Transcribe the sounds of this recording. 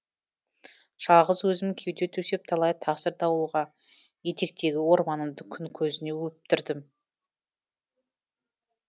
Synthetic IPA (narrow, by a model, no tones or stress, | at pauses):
ʃɑʁəzwɵzɪmkʲʰewt̪e̞t̪ʰɵse̞p̚t̪ʰɑlˠɑjt̪ʰɑqsəɾt̪ʰɑwuʁɑ | je̞t̪e̞k̚t̪e̞ɡʲɪwo̞ɾmɑnəmd̪əkʲʰʏŋkʲʰɵzɪne̞wɵp̚t̪ɪɾd̪ɪm